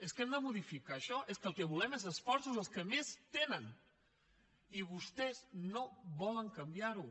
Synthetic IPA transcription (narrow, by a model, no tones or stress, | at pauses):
əskɛmd̪əmuðifikaʃɔʔeskəlˠkəβulɛmezəsfɔɾsuzəlˠskəmest̪enən | iβust̪ɛznoβɔləŋkəmbjaɾu